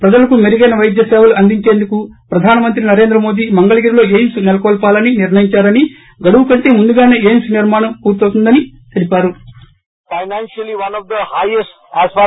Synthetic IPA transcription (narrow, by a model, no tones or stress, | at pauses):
pɾɐd͡ʒɐlɐkumeɾiɡɐjnɐʋɐjd̪jɐseːʋɐluɐnd̪iɲt͡ʃe̞ːnd̪ukupɾɐd̪ʱaːnɐmɐnt̪ɾinɐɾe̞ːnd̪ɾɐmo̞ːd̪iːmɐŋɡɐɭɐɡiːɾilo̞ːeːnsunɛlɐkɔːlpaːlɐniniɾɳɐjiɲt͡ʃaːɾɐni | ɡɐɽuʋukɐɳʈeːmund̪uɡaːne̞ːeːnsuniɾmaːɳɐmkuːɾt̪oːt̪und̪ɐnit̪elipaːɾu | fɐjnaːnʃɐliʋɐnɔʋd̪ɐhajesʈasfa